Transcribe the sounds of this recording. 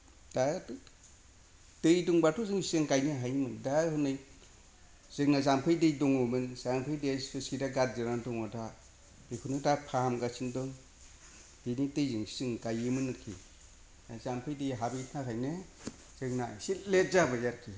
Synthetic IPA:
d̥a | tɯjduŋbatʰɔzɯŋssɯŋkajniɦajmɯndahɯnɯj | z̥ɯŋnazampʰɯjdɯjdɔŋɔmɯnzampʰɯjdeɯskidaɡat̚zɯɾandɔŋɔda | b̥ekʰunɯdapʰamɡasindɔŋ | d̥ɯjnitɯjzɯŋsɯŋkajɯmɯnːɯkʰḭ | azampʰɯjdɯjɦabinʰakʰajne | z̥ɯŋnasilet̚zabajaɾkʰi

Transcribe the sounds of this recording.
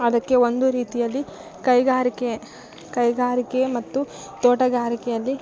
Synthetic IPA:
ɐd̪ɐkːe̞o̞nd̪uɾiːt̪ijɐlːi | kɐjɡaːɾike | kɐjɡaːɾikemɐt̪ːu | t̪oːʈɐɡaːɾikɛjɐlːi

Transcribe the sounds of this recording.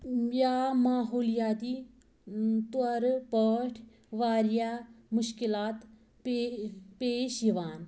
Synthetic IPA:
jjaːmaːɦoːljaːt̪i | t̪uɐɾpəʈʰ | ʋaːɾjaːmʊʃkilaːt̪ | pepeːʃiʋaːn

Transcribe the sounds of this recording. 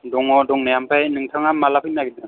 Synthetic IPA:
dɔŋɔduŋnɛjampʰajnɯŋtʰaŋamalapʰɯnnaɡidɯn

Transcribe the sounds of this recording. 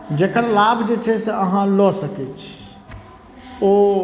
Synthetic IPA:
d͡ʒekəɾlabʱd͡ʒet͡ʃʰɛseəɦãlɔsəkɛt͡ʃʰ | o

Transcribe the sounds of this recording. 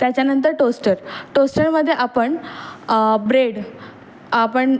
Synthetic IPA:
t̪jat͡ɕjanənt̪̬əɾʈosʈəɾʈosʈəɾməd̪ʱːjeʔapəɳ | bɾeɽ | apəɳ

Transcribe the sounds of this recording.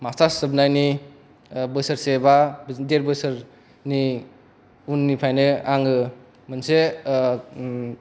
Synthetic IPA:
mastasɯbnajni | bɯsɐɾsebadeɾbɯsɯɾ | ni | unːipʰajnɯaŋɯ | mɯnse

